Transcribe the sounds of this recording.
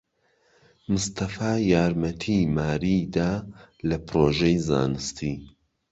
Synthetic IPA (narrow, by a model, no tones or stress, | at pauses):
mɨst̪ʰɐfaːjaːɾmɐt̪ʰimaːɾiːd̪aːlɐpɾoːʒejza̰ːnɨst̪ʰi